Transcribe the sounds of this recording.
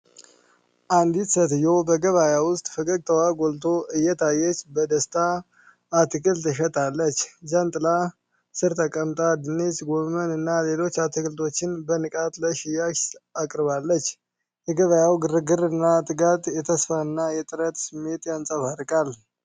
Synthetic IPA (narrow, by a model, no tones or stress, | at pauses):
ʔand̪it̪sət̪jowbəɡəβajawʊst̪ʼfɨkʼəɡ̚t̪ʰəwaɡolt̪ʰo̞ɨjːɛt̪ʰajːɛt͡ʃːbəd̪əst̪ʰaː | t̪ɨkʰɨlt̪ʰɨʃ̬ət̪ʼalːət͡ʃːd͡ʒənt̪ʼɨla | sɨɾt̪ʰəkʼəmt̪ʼad̪ɨnesɡo̞mənɨnːale̞lo̞t͡ʃːat̪ʰɨkʰɨlt̪ʰo̞t͡ʃːɪnbənɨkʼat̪ləʃɪjaʃakʼɾβalːət͡ʃː | jɛɡəβajawɡɨɾɨɡɨɾɨnːat̪ʼɨɡat̪ʼjɛt̪ʰəsfaɨnːajɛt̪ʼɨɾət̪sɨmːe̞t̪jansʼəβaɾɨkʼal